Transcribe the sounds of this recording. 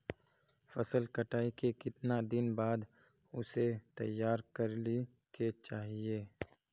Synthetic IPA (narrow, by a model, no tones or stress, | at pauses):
fɐsəlkɐʈaːikekɪt̪nad̪ɪnbaːd̪ | ʊset̪ɐ̰jːaːɾkɐɾli | ket͡ʃaːɦieː